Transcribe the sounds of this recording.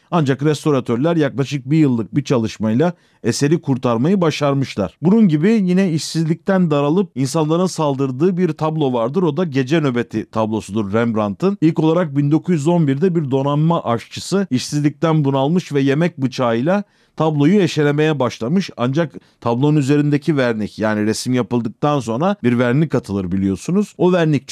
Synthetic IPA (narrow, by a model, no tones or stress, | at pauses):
and͡ʒakɾɛst̪o̞ɾat̪ʰøɾlʲæɾjaklˠaʃɯk̚bijɯlˠːɯk̚biɾt͡ʃʰalˠɯʃmajlˠa | ese̞ɾikʰuɾt̪ʰaɾmajɯbaʃaɾmɯʃlˠa̰ɾ̥bununɟibijinɛiʃsizlʲic̚t̪ʰænd̪aɾalˠɯp̚insanlˠaɾɯnsalˠd̪ɯɾd̪ɯːbiɾt̪ʰablˠo̞vaɾd̪ɯɾo̞d̪aɟe̞d͡ʒɛnø̞be̞t̪ʰit̪ʰablˠo̞sud̪uɾːæmbɾant̪ʰɯnilʲko̞lˠaɾak̚bind̪o̞kʰuzjyzo̞nbiɾd̪ɛbiɾd̪o̞ɾanmaʔaʃt͡ʃʰɯsɯiʃsizlʲic̚t̪ænbunalˠmɯʃvɛje̞mɛc̚bɯt͡ʃʰaːɯjlʲˠa | t̪ʰablˠo̞jueʃe̞lʲeme̞jɛbaʃlˠamɯʃa̰nd͡ʒakt̪ʰablˠonyze̞ɾind̪ecʰivæɾnʲicjaːniɾesimjapɯlˠd̪ɯk̚t̪ʰanso̞nɾabiɾvæɾnʲikʰat̪ʰɯlˠɯɾbilʲijo̞sunuz̥o̞væɾnʲic̚t͡ʃ